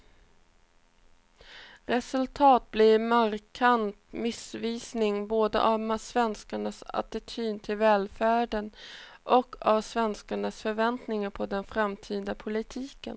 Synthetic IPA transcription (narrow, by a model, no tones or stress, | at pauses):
ɾɛsɵlt̪ʰɑːt̪̚blɪmaɾkʰant̪mɪsviːsnɪŋboːd̪ə̰ʔavmasvɛnskaɳasa̰t̪ɪt̪ʰyːnt̪ʰɪlvɛːlfæːɖənʔɔkːʰavsvɛnskaɳasfœɾvɛnt̪nɪŋaɾpʰɔd̪ɛnfɾamt̪ʰiːd̪apʰʊlɪt̪ʰiːkə̰n